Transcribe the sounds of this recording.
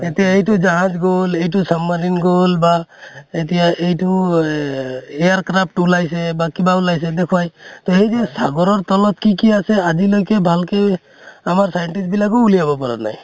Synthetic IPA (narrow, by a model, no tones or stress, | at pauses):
etijaejtʊd͡ʒaɦãd͡ʒɡolejt̬ʊsamːaninɡolbaet̪̬ijaʔejtu | ejaɹkɾap̚ʰʈulajsɛbakibaulajs̬ɛd̪ekʰuwajt̪ɔɦejzɛsaɡɔɹɔɹt̪ɔlɔt̪kikiasɛazilojkɛbʱalke | amaɹsajɛnʈisbilakɔulijabɔpaɹa̰na̰j